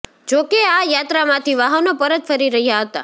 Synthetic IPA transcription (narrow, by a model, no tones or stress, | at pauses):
d͡ʒokeajat̪ɾamãt̪ʰiʋaɦənopəɾət̪fəɾiɾəɦjaɦət̪a̰